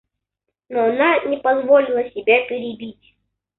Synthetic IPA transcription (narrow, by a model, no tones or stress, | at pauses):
noɐnanʲɪpɐzvolʲɪlˠəsʲɪbʲapʲɪɾʲɪbʲitʲ